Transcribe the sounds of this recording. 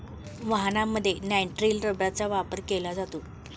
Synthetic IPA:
ʋaɦnamːəd̪ʱːjenajɳʈɾilɾəbjat͡saʋapəɾkelad͡zat̪o

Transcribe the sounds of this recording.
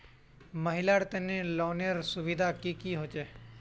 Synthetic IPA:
məɦɪlaːɽt̪ənẽlɔːneəɾsʊʋid̪ʱakikiɦoːt͡ʃeː

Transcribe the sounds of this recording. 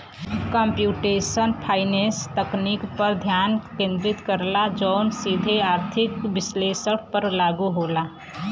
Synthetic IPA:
kəmpjuʈesənpʰaɪnest̪əknikpəɾd̪ʱjankẽnd̪ɾit̪kəɾlad͡ʒəʊnsid̪ʱeaɾt̪ʰikbɪslesəɽpəɾlaɡuɦola

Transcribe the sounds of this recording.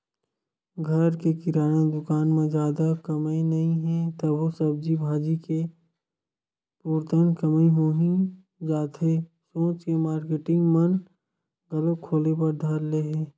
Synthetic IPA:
ɡʱəɾkekɪɾaːnad̪ʊkaːnmẽzjaːd̪akɐmenɐɦĩɦɛ̃t̪ɐbosəb̚d͡ʒibʱaːd͡ʒike | puːɾt̪ənkəmĩɦoɦĩ | d͡ʒaːt̪ɦe | sõːt͡ʃkemaːɾkeʈɪ̃ŋɡmən | ɡɐləkʰoːlepɐɾd̪ʱəɾleɦɛ̃ː

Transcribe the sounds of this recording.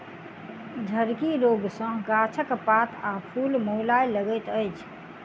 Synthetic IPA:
d͡ʒʱəɾkiɾoɡsə̃ɡat͡ʃʰəkpat̪ʰapʰulmolajləɡət̪əjt͡ʃʰ

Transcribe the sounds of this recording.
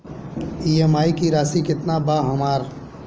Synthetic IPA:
iːemaːikiɾaːsikɪt̪nabaːɦəmaːɾ

